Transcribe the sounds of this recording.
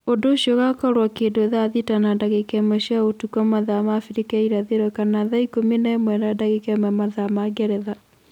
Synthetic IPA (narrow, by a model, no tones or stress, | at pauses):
ondoːʃjɔɣakɔɾwakeːndoeðaðitanadaɣekɛmɛɕjaotukamaðamafiɾikɛiɾaðeɾwɛkanaðaikomenaemwɛɾadaɣekɛmɛmaðamaɡɛɾɛða